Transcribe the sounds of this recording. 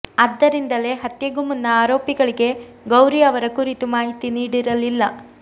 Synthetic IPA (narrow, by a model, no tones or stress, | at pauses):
ɐd̪ːɐɾind̪ɐle̞ɦɐt̪jɐɡumunːɐaːɾoːpiɡɐɭiɡe̞ | ɡɐwɾijɐʋɐɾɐkuɾit̪umaːɦit̪iniːɽiɾɐlilːɐ